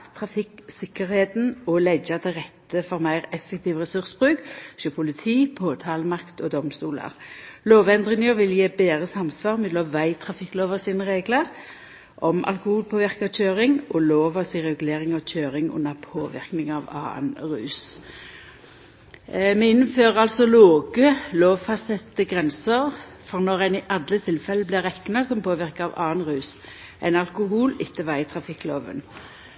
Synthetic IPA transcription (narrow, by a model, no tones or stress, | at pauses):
t̪ʰʁɑfɪksɪkːəʁheːt̪nɔlɛɡɑt̪ʰɪʁɛt̪ːəfɔʁmæɪʁɛfːɛk̚t̪ʰiːʋʁɛsʉʁsbʁʉːkɕøːpʰʊlɪt̪ʰiːpʰoːt̪ʰɑːləmɑkt̪ɔd̪ɔmst̪uːlə̰ʁloːʋɛnd̪ʁɪŋəʁʋɪljeːbeːʁəsɑmsʋɑːʁmɛlɔʋæɪt̪ʰʁɑfɪkːloːʋəʁsiːnəʁeːɡləʁ | ʔɔmʔɑ̰lkʊhuːlpʰoːʋɪʁkɑc͡çøːʁɪŋʔɔloːʋɑsɪʁɛɡleːʁɪŋɑc͡çøːɾɪŋʊ̰nːəpʰoːʋɪ̰ʁknɪŋɑʋɑ̰ːə̰nʁʉ̰ːs | mɛɪnːənføːʁɑlsɔloːɡəloːʋfɑsɛt̪ːəɡʁɛnsəʁ | fɔʁnɔʁæɪnɪʔɑd̪lət̪ʰɪlfɛlːəblɪɾɛkːnɑsɔmpʰoːʋɪʁkəɑʋɑːənʁʉːs | ʔæ̰ɪnɑlkʊɦuːlɪt̪ːəʋæɪt̪ʰɾɑfɪkːloːʋə̰n